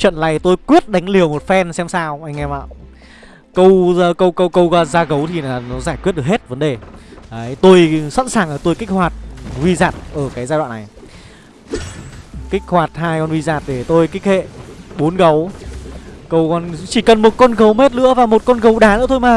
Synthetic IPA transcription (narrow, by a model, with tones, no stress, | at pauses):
t͡ɕwə̰˧˨nla̰ː˨˩jt̪o˧jkwi˦˥ət̚ɗa˨˦ŋ̟li˨˩əwmo˨˩t̚fɛ˧nsɛ˧msaː˧wʔa˧jŋ̟ʔɛ˧mʔa̰ː˧˨ | kə˧wkə˧wkə˧wkə˧wɣaː˧zaː˧ɣə˨˦wt̪ʰi˨˩naː˨˩nɔ˨˦zaː˧˩jkwt̚ɗkhe˦˥t̚və˨˦nɗe˨˩aː˨˩˦t̪o˧jsa̰˧˥nsaː˨˩ŋʔəː˧˩t̪o˧jki˦˥k̟̚hwaː˨˩t̚wi˧zaː˨˩t̚ʔəː˧˩kaː˨˦jzaː˧ɗwa̰ː˧˨na˨˩j | kï˦˥k̚hwaː˨˩t̚haː˧jkɔ˧nvwi˧zaː˨˩t̚ɗe˧˩t̪o˧jki˦˥k̚hḛ˧˨ɓo˨˦nɣə˨˦w | kə˧wkɔ˧nt͡ɕi˧˩kə˨˩nmo˨˩t̚kɔ˧nɣə˨˦wme˦˥t̚lɨ̰˧˥əvaː˨˩mo˨˩t̚kɔ˧nɣə˨˦wɗaː˨˩nɨ̰˧˥ət̪ʰo˧jmaː˨˩